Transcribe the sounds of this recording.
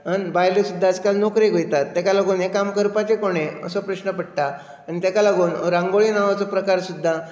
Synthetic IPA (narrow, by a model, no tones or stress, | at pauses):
ənbajlesud̪ʱːad͡zkalnɔkɾiɡojt̪at̪ːakalaɡuːnɦekːamkəɾpat̪ekoɽ̃eə̰səpɾəɕnəpəɽt̪aː | nit̪jakalaɡuːnɾãŋɡoɭiːnaʋat͡sɔpɾəkaɾsud̪ʱːa